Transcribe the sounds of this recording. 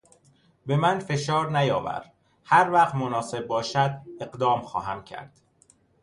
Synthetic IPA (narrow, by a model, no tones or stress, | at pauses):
be̞mænfe̞ʃɒːɾnæjɒːvæ̰ɾ | hæɾvæqt̪monɒːse̞b̚ːɒːʃæd̪̚e̞ɢd̪ɒːmxɒ̰ːɦæmcʰæ̰ɾd̪̥